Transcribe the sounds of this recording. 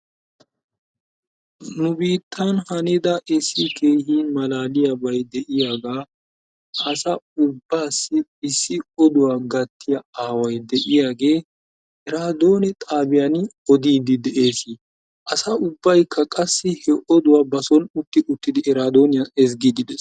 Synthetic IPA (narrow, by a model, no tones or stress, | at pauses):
nʊbiːt̪ːɐnhɐnɛd̪ɐʔɪsːɪkʰe̞ːhiːmɐlaːlɪjɐbɐjd̪ɛʔɪjaːɡaː | ʔɐsɐʊbːaːsːɪɪsːɪɔd̪ʊwaːɡɐt̪ːɪjɐaːwɐjd̪ɛʔɪjaːɡe̞ː | ɛɾaːd̪o̞ːnɛt̪ʼaːbɪjanɪɔd̪iːd̪ɪd̪ɛʔeːsɪ | ʔɐsɐʔʊbːɐjkʰːɐkʼɐsːɪhɛʔɔd̪ʊwaːbɐsɔnʊt̪ːɪʔʊt̪ːɪd̪ɪɛɾaːd̪o̞ːnɪjɐɛs̬ɡid̪ɪd̪ɛs